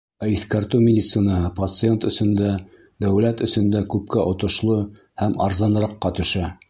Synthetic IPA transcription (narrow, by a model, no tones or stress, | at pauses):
æiθkæɾt̪ɘmʲɪdʲit̪sɨnɑhɤpɐt̪sɨent̪ɵ̆sɵ̆nd̪æ | d̪æwlæt̪ɵ̆sɵ̆nd̪ækʉp̚kæʔŏt̪ŏʃlˠo | hæmɑ̰ɾzɑn̆ɾɑqːɑt̪ɵ̆ʃæ